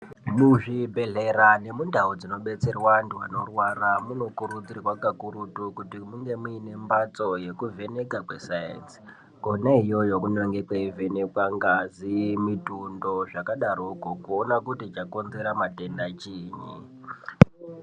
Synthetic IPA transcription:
muʐibʱe̞ɮe̞ɾane̞mundʱaud͡zino̞ɓe̞t͡se̞rwanduwano̞rwaramuno̞kuɾud͡zirwakakuɾutukutimuŋɡe̞muine̞mbat͡so̞je̞kuve̞ne̞kakwesaḛt͡si̥ | konaijo̞jo̞kuneŋɡekwaive̞ne̞kwaŋɡazimitundo̞ʐakaɗarokokuonakutit͡ʃako̞nze̞ɾamate̞ndat͡ʃiːɲḭ

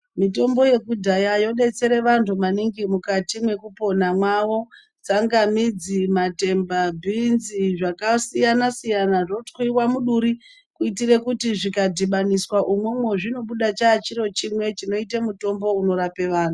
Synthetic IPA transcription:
mito̞mbo̞je̞kudʱajajo̞ɗe̞t͡se̞ɾe̞ʋantʰumaniŋɡimukatimwe̞kupo̞namwaʋo̞ | t͡saŋɡamid͡zimate̞mbabʱinziʐakasijanasijanaʐotwiwamuɗuɾi | kuitire̞kutiʐikadʱiɓaniswaʔumwe̞mwe̞ʐino̞ɓuɗat͡ʃaːt͡ʃiɾo̞t͡ʃimwe̞t͡ʃino̞itemuto̞mbo̞uno̞ɾape̞ʋaːn̤tu

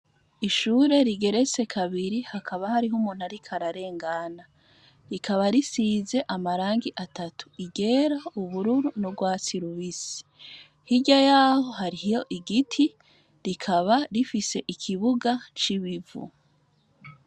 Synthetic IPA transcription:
iʃuːɾe̞ɾiɡe̞ɾe̞t͡se̞kʰaβiɾihakʰaβahaɾiɦumuːn̥haɾikʰaɾaɾe̞ːŋɡana | ɾikʰaβaɾisiːze̞ʔamaɾaːŋɡiʔatʰatʰu̥iɡe̞ːɾauβuɾuɾunoɡwaːt͡siɾuβisi̥ | hiɟajaːho̞haɾihjo̞ʔiɡitʰi | ɾikʰaβaɾifise̞ʔikʰiβuɡat͡ʃiβivṵ

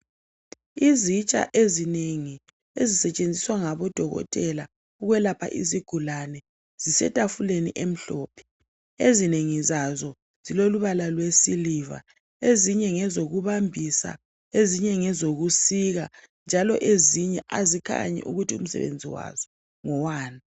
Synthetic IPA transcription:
izit͡ʃʼa̰ʔezineŋi | ezisɛt͡ʃʼend͡zʱiswaŋaβɔd̥ʱɔɣɔ̰tʼɛla | uɣwɛlapʰa̰ʔiziɡ̥ʱulanɛ | z̥isɛ̰tʼafulenḭʔem̩ɬɔːpʰɛ̥ | ezineŋizazɔ | z̥iloluβalalwesiliva̰ | eziɲɛŋɛzoɣuβambʱisa̰ | eziɲɛŋɛzoɣusiɣa | nd͡ʒʱalɔʔeziɲɛʔazikʰa̰ɲɛ̰ʔṵɣutʰiṵm̩sɛ̰βḛnd͡zʱiwa̰zɔ | ŋɔwaːna

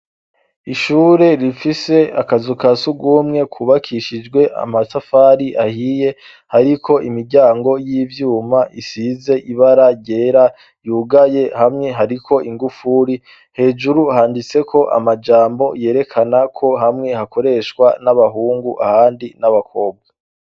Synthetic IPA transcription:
iʃuːɾe̞ɾifise̞akazukasuɡuːmŋe̞kʰuβakʰiʃid͡ʒɡwe̞ʔa̰masafaɾiʔahije̞ | haɾikʰo̞ʔimiɾɟaːŋɡo̞jiːvjuːmaʔisize̞ʔiβaɾaɟe̞ːɾa | juːɡaje̞hamŋe̞ɦaɾikʰo̞ʔiŋɡufuɾi | he̞ːd͡ʒuɾuhaːndit͡se̞kʰo̞ʔa̰mad͡ʒaːmbo̞je̞ːɾe̞kʰanakʰo̞ɦamŋe̞hako̞ɾe̞ʃwanaβaɦuːŋɡuʔahaːndinaβakʰo̞ːb̚ɡa

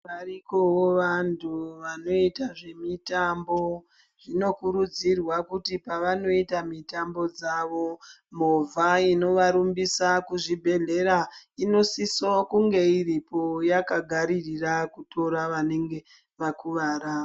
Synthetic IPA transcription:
ʋarikowoʋantʰuʋano̞itaʐe̞mitambo̞ | ʐ̥ino̞kuɾud͡zirwakutipaʋano̞itamitambo̞d͡zaʋo̞ | m̤ovʱaino̞ʋaɾumbisakuʐibʱe̞ɮe̞ɾaino̞sisokuŋɡe̞iripo̞jakaɡʱaɾirirakutʰo̞ɾaʋane̞ŋɡe̞ | ʋakuʋaːɾao

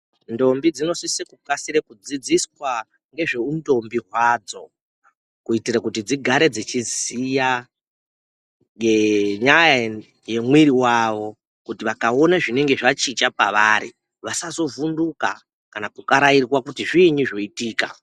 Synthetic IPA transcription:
ndo̞mbid͡zino̞sisekukasiɾekud͡zid͡ziswa | ŋɡe̞ʐe̞undo̞mbiɦwad͡zo̞̰ | kuitirakutid͡ziɡʱaɾe̞d͡zit͡ʃizija | ɡeɲaja | je̞mwiɾiwaʋo̞ | kutiʋakao̞naʐine̞ŋɡe̞ʐat͡ʃit͡ʃapaʋaːɾḭ | ʋasazo̞vunduka̰ | kanakukaɾairwakutiʐiɲuʐo̞itiːka̰

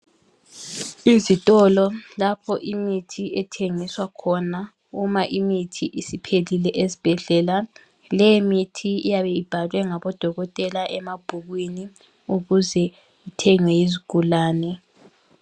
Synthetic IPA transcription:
izitʼɔlɔlapʰɔʔimitʰiʔɛtʰeŋiswakʰɔna | umaʔimitʰiʔisipʰelilɛʔezib̥ʱɛɮɛla | lɛjimitʰiijaβɛib̥ʱalwɛŋaβɔd̥ʱɔɣɔtʼɛlaʔɛmab̥ʱuɣwini | uɣuzɛ | itʰɛŋwɛjiziɡ̥ʱulaːnɛ

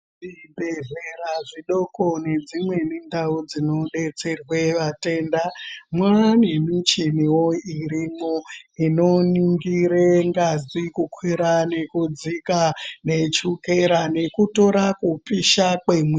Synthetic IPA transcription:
ʐibʱe̞zeɾaʐiɗo̞ko̞ne̞d͡zimwe̞nindaud͡zino̞ɗe̞t͡se̞rwe̞ʋate̞ndamwanemit͡ʃiniwoiɾimoino̞niŋɡiɾeŋɡazikukʰwiɾane̞kud͡zikane̞t͡ʃuke̞ɾane̞kuto̞ɾakupiʃakwemwi

